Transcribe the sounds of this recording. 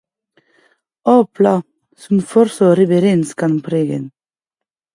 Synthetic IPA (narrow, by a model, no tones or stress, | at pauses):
oːpʰlɑ | sɔmfɔɾsoːɾɛbɛɾeːnskɑnpʰɾeːɡə̰n